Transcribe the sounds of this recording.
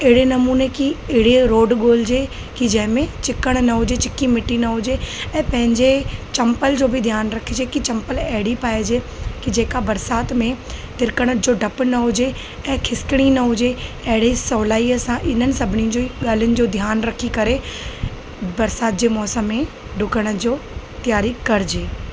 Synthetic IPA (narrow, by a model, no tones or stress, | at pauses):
ɪɦɪɽenɐmuːnekiɪɦɪɽeɾoːɖɠoːld͡ʑeː | kid͡ʑɐ̃ɦɪ̃mẽt͡ɕɪkəɽ̃nɐɦʊd͡ʑet͡ɕɪkimɪʈːinɐɦʊd͡ʑeɛ̃ːpɐ̃ɦɪ̃ɲd͡ʑet͡ɕɐ̃mpəld͡ʑoːbɪd̪ʱjaːnɾɐkʰid͡ʑekit͡ɕɐ̃mpəlɛɦɪɽipaːɪd͡ʑe | kid͡ʑeːkabɐɾsaːt̪mẽt̪ɪɾkəɽ̃əd͡ʑoːɖɐpnɐɦʊd͡ʑe | ɛ̃ːkʰɪskɽ̃inɐɦʊd͡ʑe | ɐɦɪɽisɔːlaːiəsãʔɪn̤ənɪ̆sɐbʱɪniʊ̃d͡ʑoːɠaːl̤ijʊnɪ̆d͡ʑoːd̪ʱjaːnɾɐkʰikɐɾe | bɐɾsaːt̪̚d͡ʑeːmɔːsəmːẽ | ɖʱʊkəɽ̃əd͡ʑoː | t̪ijaːɾikɐɾɪd͡ʑeː